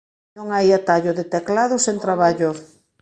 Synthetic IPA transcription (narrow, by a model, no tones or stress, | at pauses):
nõŋajat̪aʎʊðet̪eklaðʊsent̪ɾaβaʎʊ